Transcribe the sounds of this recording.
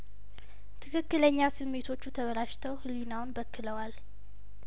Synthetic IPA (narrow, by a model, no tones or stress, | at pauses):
t̪ʰɨkʰɨkːɨləɲːasɨme̞t̪ʰo̞t͡ʃːut̪ʰəβəɾaʃt̪ʰəwhɨlinawʊnbəkːɨləwal